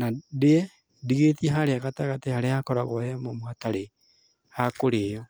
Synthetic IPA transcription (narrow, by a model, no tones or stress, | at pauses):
nadɛ | diɣetiɛɦaɾeaɣataɣatehaɾeakɔɾaɣwɔɛmomoataɾe | hakoɾeːjɔ